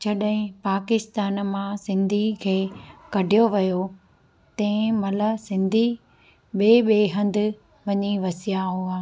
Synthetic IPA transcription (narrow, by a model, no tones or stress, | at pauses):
d͡ʑɐɗɦɪ̃paːkɪst̪aːnmãsɪ̃nd̪ʱikʰeːkɐɖʱijoʋɐjo | t̪ɐ̃ɪ̃mɐləsɪ̃nd̪ʱi | ɓeːɓeːɦɐ̃nd̪ɪ̆ | ʋɐɲiʋɐsijaɦuaː